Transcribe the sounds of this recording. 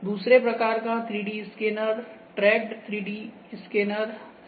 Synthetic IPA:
d̪uːsɾepɾɐkaːɾkat̪ʰɾiːɖiskeːnəɾ | ʈɾɛːk̚ɖt̪ʰɾiːɖi | skeːnəɾ

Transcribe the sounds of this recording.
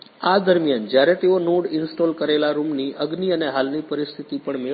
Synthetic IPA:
ad̪əɾmjand͡ʒjaɾet̪eonuɽɪnsʈolkəɾelaɾumniəɡniəneɦalnipəɾist̪ʰit̪ipəɳme

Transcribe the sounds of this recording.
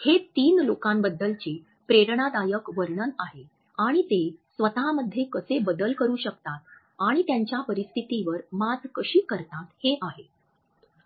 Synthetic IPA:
het̪iːnlokãmbəd̪ʱːəlt͡ɕi | pɾeɾɳad̪ajəkʋəɾɳənaɦe | aɽ̃it̪esʋət̪aməd̪ʱjekəsebəd̪əlkəɾũːɕək̚t̪at̪ | aɽ̃it̪jãɲt͡ɕjapəɾist̪ʰit̪iʋəɾmad͡zkəɕiːkəɾt̪at̪heʔaɦe

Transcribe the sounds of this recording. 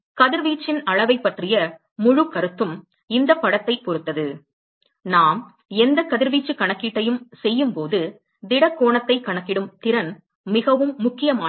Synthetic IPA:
kɐðɪɾʋiːt͡ʃːɪnɐɭɐʋɐɪpːɐʈrɪjɐ | mʊɻʊkɐɾɯt̪ːɯm | ɪnd̪ɐpːɐɽɐt̪ːɐɪpːɔɾɯt̪ːɐðɯ | naːm | ɛnd̪ɐkɐðɪɾʋiːt͡ʃːɯkɐɳɐkːiːʈːɐjɯmsɛjːɯmpoːðɯ | d̪ɪɽɐkːoːɳɐt̪ːɐɪkːɐɳɐkːɪɽɯmt̪ɪɾɐn | mɪɣɐʋɯmːʊkːɪjɐmaː

